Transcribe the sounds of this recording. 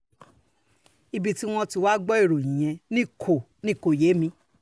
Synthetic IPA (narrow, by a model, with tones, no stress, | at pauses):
i˧bi˧ti˦w̃ɔ̃˧ti˧wa˦ɡ͡bɔ˦i˦˨ɾo˨ĩ˨j̃ɛ̃˧nĩ˦kʰo˨ | nĩ˦˨ko˨je˨˦mĩ˧